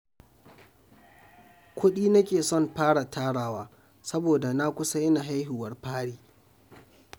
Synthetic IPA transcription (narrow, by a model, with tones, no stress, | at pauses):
kʷʰʊ˦ɗiː˦nɐ˦kʲeː˨sɔ˦˨mɸaː˦ɽa˨tʰaː˦ɽaː˦waː˦ | sɐ˦boː˨da˨na˦kʷʊ˦sa˦jɪ˦na˨ɦa˦jɦɪ˨wɐ˦rɸaː˦ɽiː˦˨